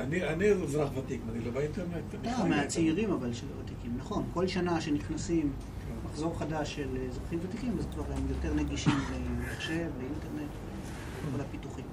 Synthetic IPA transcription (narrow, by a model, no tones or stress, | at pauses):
anianiuzɾaχvatikmanilovainteʁnet̪nameat͡siiʁimavalʃelvat̪ikimnaχo̞nko̞lʃanaʃe̞niχnasim | maχzo̞ʁχadaʃːelzʁaχimvat̪ikimvazkvaʁemjo̞te̞ʁneɡiʃimvemaχʃe̞veinteʁne̞tvḛ | kolapituχim